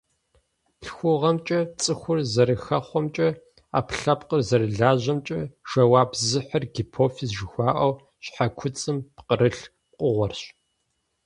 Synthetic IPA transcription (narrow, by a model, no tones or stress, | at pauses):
ɬxʷʊʁɐmt͡ʃʼɐt͡sʼɨxʷʊrzɐɾɨxɐχʷɔmt͡ʃʼɐ | a̰ːpɬɐpqərzɐɾɨɮaːʑɐmt͡ʃʼɐʒ̥ɐwaːbzɨħɐrɡipʰoːfisʒɪxʷɑːʔɐw | ɕħakʷʰʊt͡sʼɨmpqəɾɨɬ | qʷʼʊʁʷɔrɕ